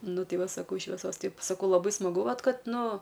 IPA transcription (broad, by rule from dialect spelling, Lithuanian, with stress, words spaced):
ˈnʊ ˈtʲɛɪ ˈʋɐ sɐˈkɐʊ ʃʲʋʲɛˈsoːs ˈtɐɪp sɐˈkɐʊ lˠɐˈbɐɪ smɐˈɡʊ ˈʋɐt ˈkɐt ˈnʊ